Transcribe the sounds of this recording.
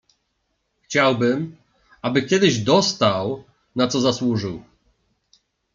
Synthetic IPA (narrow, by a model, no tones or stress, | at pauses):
xt͡ɕawbɘm | abɘkʲɛd̪ɘʑd̪ɔst̪aw | nat̪sɔzaswuʐɘw